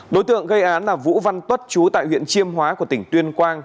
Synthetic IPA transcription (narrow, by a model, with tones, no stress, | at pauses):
ɗo˨˦jt̪ɨ̰˧˨əŋɣə˧jʔaː˨˦nlaː˨˩vṵ˧˥va˧nt̪wə˦˥t̚t͡ɕu˨˦t̪a̰ː˧˨jwḭ˧˨ənt͡ɕi˧əmɦwaː˨˦ku˧˩ət̪ï˧˩ŋ̟t̪wi˧ənkwaː˧ŋ